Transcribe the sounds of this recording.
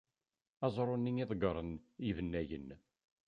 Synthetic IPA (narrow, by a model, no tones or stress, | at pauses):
ɑzˤɾˤonːiŋiðˤɡəɾˤənivənːæjə̰n